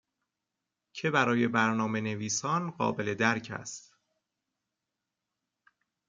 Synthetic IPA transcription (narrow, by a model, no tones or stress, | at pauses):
cʰebæɾɒːje̞bæɾnɒːme̞ne̞viːsɒːnɢɒ̰ːbe̞le̞d̪æɾcʰæ̰st̪